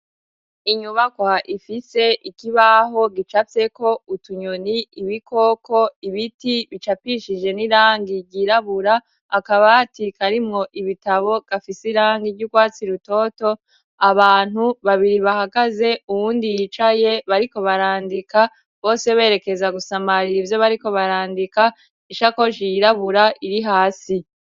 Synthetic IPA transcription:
iɲuβakwaʔifise̞ʔikiβaɦo̞ɡit͡ʃafe̞ko̞utuɲoniːβikʰo̞ːkʰo̞iβitiβit͡ʃapiʃid͡ʒe̞niɾaːŋɡiɟiɾaβuɾaː | kaβatikaɾimŋo̞ʔiβitaβo̞ɡ̥afisiɾaːŋɡivjuɡwaːt͡siɾuto̞ːto̞ | aβaːn̥huβaβiɾiβahaɡaze̞uwuːndijit͡ʃaje̞βaɾiko̞βaɾaːndika | βo̞ːse̞βe̞ːɾe̞ke̞zaɡusamaɾiivjo̞βaɾiko̞βaɾaːndika | iʃako̞ʃijiɾaβuɾaʔiɾiɦaːsi

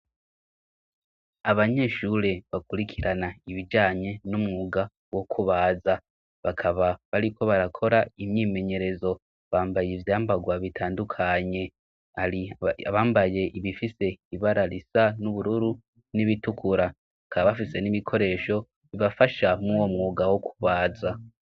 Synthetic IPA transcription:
aβaɲe̞ʃuɾe̞βakuɾikʰiɾanaiβid͡ʒaːɲe̞numŋuɡa | wo̞kʰuβaːza | βakʰaβaβaɾiko̞βaɾakʰo̞ɾaimɲiːme̞ɲe̞ɾe̞zo̞ | βaːmbajevjaːmbaɡwaβitʰaːndukʰaɲe̞ | aɾiaβaːmbaje̞ʔiβifise̞iβaɾaɾisanuβuɾuɾu | niβitukʰuɾa | βakaβaβafise̞niβikʰo̞ɾe̞ːʃo̞ | βiβafaʃamuwo̞mŋuːɡawokʰu̥βaːza

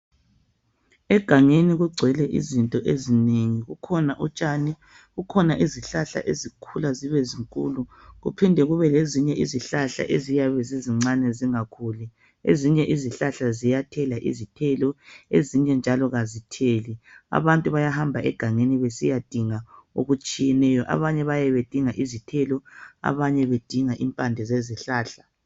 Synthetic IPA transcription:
ɛɡ̥ʱaŋeniɣuɡ͡ǀʱwɛlɛʔḭzintʼɔʔezineŋiɣukʰɔnaʔut͡ʃʼanɛ | ɣukʰɔnaʔiziɬaɬa̰ʔezikʰulaziβɛziŋkʼṵːlu | ɣṵpʰindʱɛɣuβɛleziɲɛʔiziɬaɬa̰ʔezijaβɛziziŋ͡ǀanɛziŋakʰuːlɛ | ḛziɲɛʔiziɬaɬazijatʰɛlaʔḭzitʰɛlɔeziɲɛnd͡ʒʱalɔɣazitʰelia̰βantʼuβajahambʱaʔɛ̰ɡ̥ʱaŋeniβesḭjad̥ʱiŋao̰ɣut͡ʃʼijɛnɛjɔʔa̰βaɲɛβajɛβed̥ʱiŋaʔizitʰɛlɔa̰βaɲɛβed̥ʱiŋaʔimpʼandʱɛzeziɬaːɬa

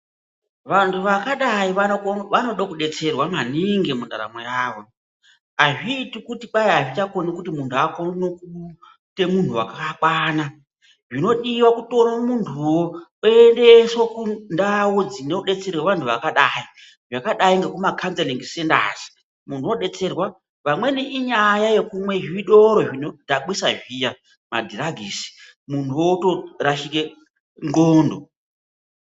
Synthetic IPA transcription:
ʋantʰuʋakaɗaiʋano̞ɗokuɗe̞t͡se̞rwamaniŋɡemunda̰ɾa̰mojaːʋo̞ | aʐiːtikutiɓaiaʐit͡ʃako̞nikutimuntʰuakonnoku | te̞muntʰuwa̰kakwaːna | ʐino̞ɗiwakuto̞romuntʰuwooendesokundawod͡zineuɗe̞t͡se̞rweʋantʰuʋakaɗai | ʐakaɗaiŋɡekumakʰant͡seleŋɡsenda̰ːzi̥ | mun̤uo̞ɗe̞t͡se̞rwa | ʋamwe̞neʔiɲajaje̞kumwe̞ʐiɗo̞ɾo̞ʐinodʱaɓisaʐija | ma̰dʱiɾaɡʱiːsi̥ | muntuwotoɾaʃike | ŋɡoːndo

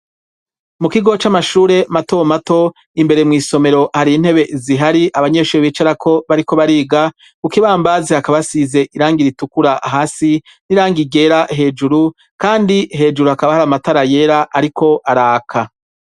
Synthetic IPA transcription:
mukiɡo̞t͡ʃamaʃuːɾe̞mato̞mato̞ | imbe̞ɾemŋiːso̞me̞ɾo̞haɾin̥he̞βe̞ziɦaɾiʔaβaɲe̞ʃuːɾeβiːt͡ʃaɾakʰo̞βaɾiko̞βaɾiːɡa | kukiβaːmbazehakaβasize̞ʔiɾaːŋɡiɾitukuɾaʔɦaːsi | niɾaːŋɡiɡe̞ːɾaɦe̞ːd͡ʒuɾu | kaːndiɦe̞ːd͡ʒuɾuhakaβahaɾamataɾaje̞ɾaʔaɾiko̞ʔaɾaːkʰa

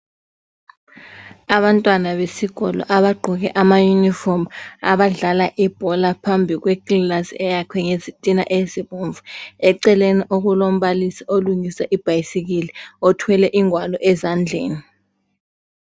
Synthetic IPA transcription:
aβantʼwanaβesiɣɔlɔ̰ʔaβaɡ͡ǃʱuɣɛʔamajunifɔrmaβaɮalaʔib̥ʱɔlapʰambʱiɣweɡillasɛjakʰwɛŋezitʼina̰ʔeziβuɱvuɛǀɛleniʔoɣulom̩βalisioluŋisaʔib̥ʱajisiɣ̬iliɔtʰwɛlɛʔiŋwalɔʔɛzand͡ɮʱḛːni

